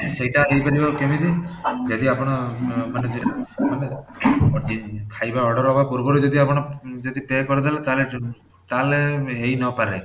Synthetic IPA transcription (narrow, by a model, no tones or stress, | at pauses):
sejʈaɦejpaɾibakemid̪id͡ʒɔd̪iapɔɽ̃ɔmaned͡ʒmane | kʰajbaɔɖɔɾɔbakɔɾukɔɾud͡ʒɔd̪iapɔɽ̃ɔd͡ʒɔd̪ipekɔɾid̪alet̪ale | t̪aleɦejnɔpaɾe